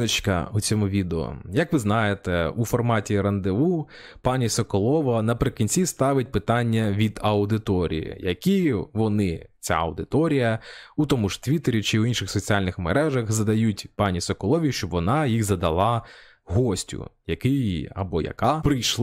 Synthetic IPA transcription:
ɐt͡ʃkɐ̰ut͡sʲɔmʊʋʲid̪eɔ̰jɐkʋɪznɑjet̪ɛufɔrmɑtʲiɾɐnd̪ɪu | pɑnʲisɔkɔlˠɔʋɐnɐpɾɪkʲinʲt͡sʲist̪ɑʋɪt̚ʲpɪt̪ɑnʲːɐʋʲid̪ɐwd̪ɪt̪ɔɾʲḭjḭjɐkʲiʋɔnɪt͡sʲa̰ɐwd̪ɪt̪ɔɾʲijɐut̪ɔmʊʃt̪ʋʲit̪eɾʲit͡ʃɪuinʃɪxsɔt͡sʲiɑlʲnɪxmeɾɛʒɐxzɐd̪ɐjutʲpɑnʲisɔkɔlˠɔʋʲiʃt͡ʃɔbʋɔnɑjixzɐd̪ɐlˠɑ | ɦɔsʲtʲʊ̰jɐkɪjɐ̰bɔjɐ̰kɑpɾɪjʃˠ

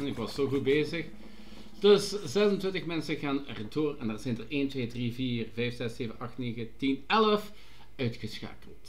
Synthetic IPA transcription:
nɪkʋɑsːoːɣut̚beːzəx | d̥ɵszɛzəntʋɪntəxmɛnsəɣaːnɛ̰rdoːrɛndaːrzɛjndəreːntʋeːdriviːrvɛjfz̥ɛseːvənʔɑxtneːɣətinɛləf | œɥtxəsxa̰ːkəlˠt

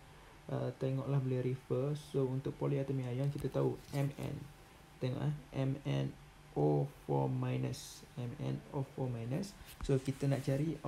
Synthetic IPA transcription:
ət̪ɛŋɔʔlahbliɾifəsount̪ʊk̚pɔliat̪əmĩajɔŋkit̪at̪auɛmɛ̰̃n | t̪ɛŋɔ̰ʔlahʔɛmɛ̃n | ʔofɔ̰majnəsɛmɛ̰̃nofɔmajnəsːokit̪ənaʔt͡ʃaɾi

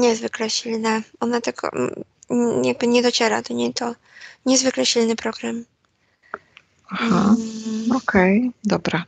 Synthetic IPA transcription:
ɲɛzvɘklɛɕilnaʔɔnat̪ɛkɔ̰ | jaɡ̚bɘɲɛd̪ɔt͡ɕɛɾa̰t̪ɔɲɛt̪ɔ | ɲɛzvɘklɛɕilnɘpɾɔɡɾam | axa | ɔkʰɛjd̪ɔbɾa

